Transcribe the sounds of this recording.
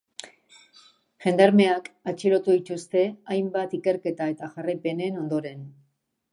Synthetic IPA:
ʝe̞nd̪aɾme̞akat͡ʃiɾo̞t̪uðit̪ust̪e̞ajmbat̪ike̞ɾke̞t̪ae̞t̪aʝarajpe̞ne̞no̞nd̪o̞ɾe̞n

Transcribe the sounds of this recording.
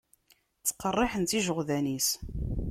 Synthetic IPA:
t͡sːə̥qːərˤːɪħənt̪iʒəʁðænis

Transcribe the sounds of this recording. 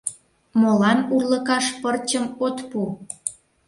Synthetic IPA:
molɑnurlə̆kɑʃpərt͡ɕəmot̪pu

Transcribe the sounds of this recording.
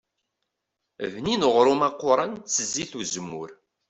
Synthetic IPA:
vninəʁɾumɑqːʊɾˤɑnt͡sːəzːiθuzmːʊ̰ɾ

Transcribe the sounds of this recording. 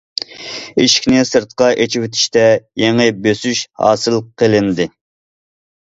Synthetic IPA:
iʃi̥kʲnɪsɨɾt̪qɑʔet͡ʃʰiwɪt̪ʰɪ̥ʃt̪ɛjeŋɪbøsyʃhɑ̰ːsɨlˠqʰəlˠɪnd̪ɪ

